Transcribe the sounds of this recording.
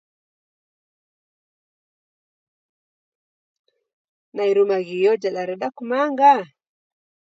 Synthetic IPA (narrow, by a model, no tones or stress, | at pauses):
naiɾumaɣijɔd͡ʒaɗaɾɛɗakumaŋɡa